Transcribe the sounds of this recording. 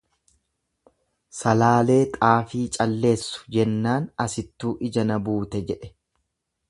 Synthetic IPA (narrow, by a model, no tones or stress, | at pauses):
sɐlaːle̞ːt̪ʼaːfiːt͡ʃʼɐlːe̞ːsːʊ̥d͡ʒɛnːaːnɐsɪt̪ːuːʔɪd͡ʒɐnɐbuːt̪ɛd͡ʒɛᶑɛ̥